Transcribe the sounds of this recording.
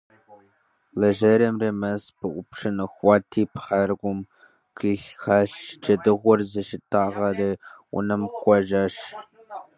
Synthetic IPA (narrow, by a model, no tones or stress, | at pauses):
lɐʒɐɾɐmrɐmɐspʰɨʔʷʊpʂɨnɨxʷɑːtʰiːpʰχɐrɡʷʊm | kiːɬxaːɕd͡ʒʼɐdɨʁʷɔrzɐʃɪtʰaːʁɐrɨʊ̰nɨmkʷʼɔʒaːʂ